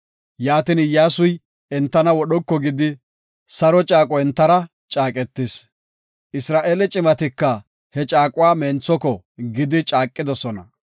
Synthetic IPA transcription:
jaːt̪ɪnɪjaːsʊj | ɛnt̪ːɐnɐwɔɗɔkːɔɡɪd̪ɪ | sɐɾɔt͡ʃʼaːkʼɔɛnt̪ːɐɾɐ | t͡ʃʼaːkʼɛt̪ːɪs | ʔɪsɾaːʔeːlɛt͡ʃʼɪmɐt̪ɪkːɐ | hɛt͡ʃʼaːkʼʊwaːmeːnt͡sːɔkɔ | ɡɪd̪ɪt͡ʃʼaːkʼːɪd̪ɔsɔnɐ̰

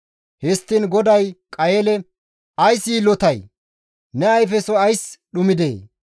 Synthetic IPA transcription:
hɪst̪ːinɡɔd̪ɐjkʼɐjeːlɛ | ʔɐjsiːlɔt̪ɐj | nɛɐjfɛsɔɐjsɗʊmɪd̪eː

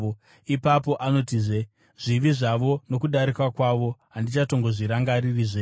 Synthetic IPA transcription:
o | ipapo̞ʔano̞tiʐe | ʐ̥iʋiʐaʋo̞no̞kuɗaɾikwakwaʋo̞ɦandit͡ʃato̞ŋɡo̞ʐiɾaŋɡaɾiriːʐe

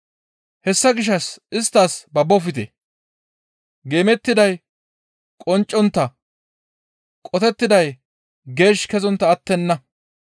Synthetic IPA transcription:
hɛsːɐɡɪʃ̬ːɐsɪst̪ːaːsbɐbːɔfɪt̪ḛ | ɡe̞ːmɛt̪ːɪd̪ɐj | kʼɔnt͡ʃʼːɔnt̪ːɐ | kʼɔt̪ɛt̪ːɪd̪ɐj | ɡe̞ːʃkɛzɔnt̪ːɐːt̪ːɛnːɐ

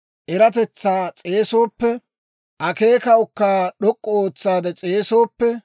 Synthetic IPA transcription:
ʔɛɾɐt̪ɛt͡sːaːt͡sʼe̞ːso̞ːpːɛ | ʔɐke̞ːkɐwʊkːaːɗɔkʼːɔoːt͡sːaːd̪ɛt͡sʼe̞ːsoːpːɛ

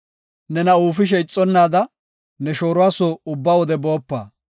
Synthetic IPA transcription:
nɛnɐuːfɪʃ̬ɛjt͡sʼːɔnːaːd̪ɐ | nɛʃo̞ːɾʊwaːsɔʊbːaːwɔd̪ɛbo̞ːpːa̰ː

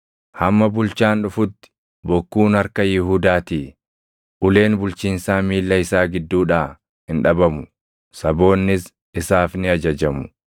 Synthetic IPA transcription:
hɐmːɐbʊlt͡ʃaːnᶑʊfʊt̪ːɪ̥ | bɔkːuːnɐɾkɐjɪɦuːd̪aːt̪iː | ʔʊle̞ːnbʊlt͡ʃiːnsaːmiːlːɐɪsaːɡɪd̪ːuːᶑaː | hɪnᶑɐbɐmʊ | sɐbo̞ːnːɪs | ɪsaːfnɪɐd͡ʒɐd͡ʒɐmʊ̥

